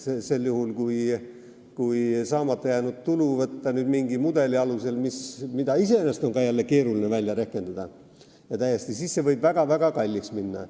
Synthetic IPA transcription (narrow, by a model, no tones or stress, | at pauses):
sese̞lːjuhulkuj | kujsɑːmɑt̪ːˑɑjæːnud̪̥̚t̪uluvɤt̪ːɑnyːd̪miŋɡimud̪e̞liɑluse̞lmismid̪ɑise̞enːest̪o̞ŋɡɑːjælːeke̞ːɾulinevælʲjɑɾækːˑe̞nd̪̥ɑd̪̥ɑ | jɑt̪æjːe̞st̪isiːsse̞vɤjb̥væɡ̥ɑvæɡ̥ɑkɑlʲːiksminːɑ̰